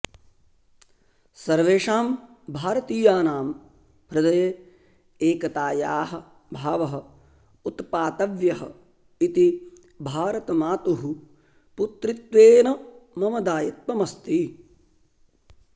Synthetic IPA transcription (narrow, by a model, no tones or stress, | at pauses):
sɐɾʋeːʂaːm | bʱaːɾɐt̪iːjaːnaːm | ɦɾɨd̪ɐjeː | eːkɐt̪aːjaːɦɐ̆ | bʱaːʋɐɦɐ̆ | ut̪paːt̪ɐʋjɐɦɐ̰ | it̪i | bʱaːɾɐt̪ɐmaːt̪uɦu | put̪ɾit̪ʋeːnɐmɐmɐd̪aːjit̪̚mɐmɐst̪i